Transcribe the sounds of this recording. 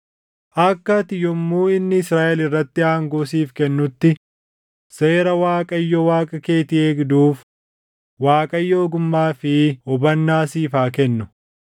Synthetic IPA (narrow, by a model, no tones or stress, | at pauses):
ʔɐkːɐt̪ɪjɔmːuːɪnːɪɪsɾaːʔɛlɪrːɐt̪ːɪaːŋɡoːsiːfkɛnːʊt̪ːɪ | se̞ːɾɐwaːkʼɐjːɔwaːkʼɐke̞ːt̪ɪeːɡd̪uːf | waːkʼɐjːoːɡʊmːaːfɪɔbɐnːaːsiːfaːkɛnːʊ